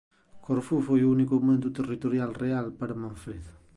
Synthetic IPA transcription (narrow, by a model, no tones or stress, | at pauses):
koɾfufojounikomẽnt̪ut̪erit̪oɾjalrealpaɾamãɱfɾeð